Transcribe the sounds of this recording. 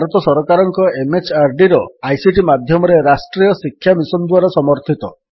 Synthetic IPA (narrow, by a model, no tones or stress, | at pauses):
ɾɔt̪ɔsɔɾɔkaɾɔŋkɔemet͡ʃaɾɖiɾɔajsiʈimad̪ʱjɔmɔɾeɾasʈɾijɔsikʰːjamisɔnd̪waɾasɔmɔɾt̪ʰit̪ɔ